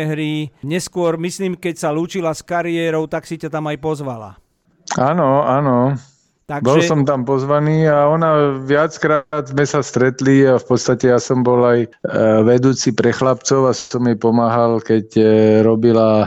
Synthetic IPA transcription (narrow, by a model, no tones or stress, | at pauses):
ɦɾiɲɛskʊɔɾmisliːmkɛcsaluːt͡ʃilaskaɾiɛːɾɔʊt̪aksicat̪amajpɔzʋala̰ | anɔanɔ | t̪aɡbɔlsɔmt̪ampɔzʋaniːaɔnaʋɪat͡skɾaːd̪zmɛsast̪ɾɛt̪liafpɔt̪st̪acɛjasɔmbɔlajʋɛd̪uːt͡sipɾɛxlapt͡sɔʊasɔmjɛpɔmaːɦalkɛcɾɔbila